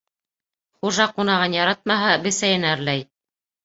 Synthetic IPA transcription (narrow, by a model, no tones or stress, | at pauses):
χuʒɑqunɑʁɤnjɑɾɑt̪̚mɑɦɑbɘ̆sæjɘnæɾlæj